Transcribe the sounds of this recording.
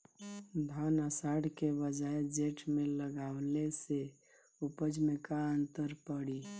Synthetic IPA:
d̪ʱanəsaɽkebəd͡ʒaed͡ʒeʈmẽləɡawlese | upəd͡ʒmekaənt̪əɾpəɽi

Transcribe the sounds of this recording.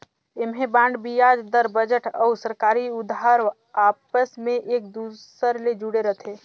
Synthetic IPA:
ɪmɦebãːɳɖbijaːd͡ʒd̪əɾbəd͡ʒəʈəʊsəɾkaːɾiʊd̪ɦaɾ | aːpəsmẽʔeːk̚d̪usəɾled͡ʒuɽeɾət̪ʰe

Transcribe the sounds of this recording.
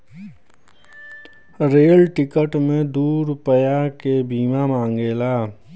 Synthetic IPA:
ɾeːlʈɪkəʈmẽd̪uːɾpəjakebiːmamãːŋɡeːlaː

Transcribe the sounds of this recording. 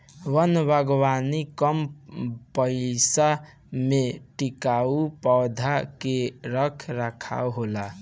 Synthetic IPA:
wənbʱaɡwanikəmpəɪsa | meʈikaupɔwd̪ʱakeɾəkʰɾakʰa̰uɦola

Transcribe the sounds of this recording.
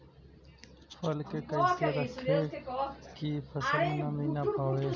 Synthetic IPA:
fəlkeːkəiseːɾəkʰːeːkipʰəsəlnəmĩːnapaːʋeː

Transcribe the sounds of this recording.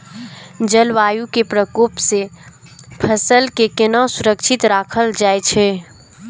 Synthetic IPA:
d͡ʒəlʋaːjũkepɾəkoːpse | pʰəsəlkekɪnãsʊɾəkʃʰɪt̪ɾaːkʰəld͡ʒaːet͡ʃʰe

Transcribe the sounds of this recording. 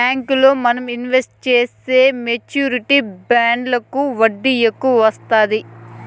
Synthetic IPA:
aːŋkulo̞ːmɐnɐminʋesʈ̚t͡ʃeːse̞ːmet͡ʃuːɾiʈibaːɳɖlɐkuʋɐɖːijekːuʋɐʋɐst̪aːd̪i

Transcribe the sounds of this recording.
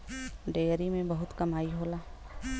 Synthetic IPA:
ɖeːɾimẽbɐɦʊt̪kɐmaːiɦoːlaː

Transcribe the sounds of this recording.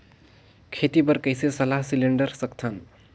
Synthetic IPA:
kʰet̪ibəɾkəjsesəlaɦsileɳɖəɾsək̚t̪ʰən

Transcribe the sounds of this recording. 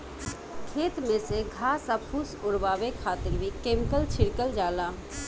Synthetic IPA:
kʰeːt̪mẽseɡʱaːsapʰusʊɾbaːʋekʰaːt̪ɪɾbikeːmkəlt͡ʃʰɪɽkəld͡ʒaːlaː

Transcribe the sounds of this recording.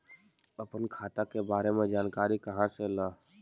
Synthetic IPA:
əpənkʰaːt̪akebaːɾemẽd͡ʒaːnkaːɾikəɦãsela

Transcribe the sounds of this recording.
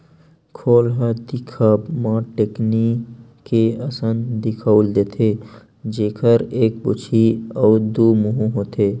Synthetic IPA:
kʰoːlɦəd̪ikʰaːbmãʈeknikkːeəsənd̪ɪkʰauld̪eːt̪ʰe | d͡ʒeːkʰəɾeːk̚bṵt͡ʃʰiɔːd̪uːmuɦũɦot̪ʰeː

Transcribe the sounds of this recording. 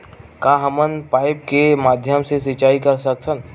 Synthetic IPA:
kaːɦəmənpaːɪp̚kemaːd̪ʱjəmsesɪt͡ʃaːikɐɾsəksən

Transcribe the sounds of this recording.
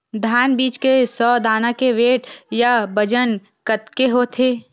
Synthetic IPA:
d̪ʱaːnbiːt͡ʃkesɔːd̪ʱaːnakeʋeːʈjabəd͡ʒən | kət̪keɦoːt̪ʰeː

